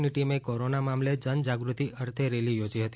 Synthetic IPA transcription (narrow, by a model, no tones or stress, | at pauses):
niʈimekoɾonamamled͡ʒənd͡ʒaɡɾut̪iʔəɾt̪ʰeɾelijod͡ʒiɦət̪i̥